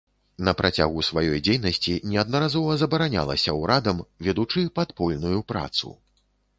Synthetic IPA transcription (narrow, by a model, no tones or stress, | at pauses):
nɐpɾʔat͡sʲa̰ɣusvajɔjd͡zʲejnɐsʲt͡sʲinʲɛɐd̪nɐɾazɔvɐzɐbɐɾanʲa̰lˠɐ̰sʲɐwɾad̪ɐmvʲɛd̪ut͡ʂɨpat̪pɔlʲnujupɾa̰t̪sṵ